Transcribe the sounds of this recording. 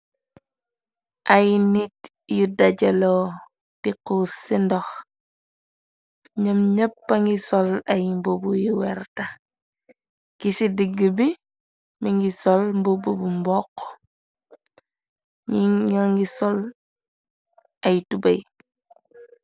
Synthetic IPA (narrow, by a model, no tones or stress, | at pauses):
ʔajnit | judaɟɐlo | tikusindɔx | ɲəmɲəpːaŋɡisɔlɐjmbobujuwɛɾta | kisidiɡəbi | miŋɡisɔlmbobubumbɔqː | aŋɡisɔl | ɐjtubɐj